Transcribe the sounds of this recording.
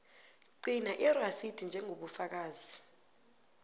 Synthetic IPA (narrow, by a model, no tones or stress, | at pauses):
ǀinaʔirasid̥ʱind͡ʒʱɛŋʱoɓufak̬aːzi